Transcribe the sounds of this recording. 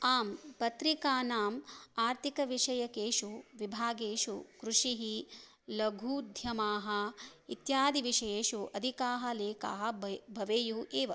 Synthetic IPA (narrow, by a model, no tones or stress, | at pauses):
aːmpɐt̪ɾikaːnaːmaːɾt̪ikɐʋiʂɐjɐkeːʃuʋibʱaːɡeːʂukɾuʂiɦi | lɐɡʱuːd̪ʱjɐmaːɦɐ̆it̪jaːd̪iʋiʂɐjeːʃuɐd̪ʱikaːɦɐ̆leːka̰ːɦɐ̆bʱɐʋeːjuʔeːʋɐ